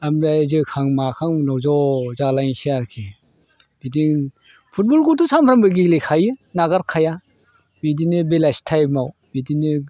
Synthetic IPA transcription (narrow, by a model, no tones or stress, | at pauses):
amɾajzɯkʰaŋmakʰaŋnɔwzɔzalajŋsiaɾkʰe | b̥idiŋ | pʰut̚bɔlkutusampʰɾambɯɡilikʰajɯnaɡaɾkʰaja | bidinibelajstʰajmaw | bidini